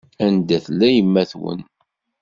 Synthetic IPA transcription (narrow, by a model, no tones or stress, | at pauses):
ænd̪æθlːæjəmːæθwə̰n